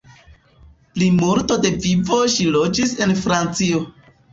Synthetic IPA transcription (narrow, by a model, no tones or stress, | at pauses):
plimuɾto̞de̞vivo̞ʃilo̞d͡ʒise̞nfɾant͡sio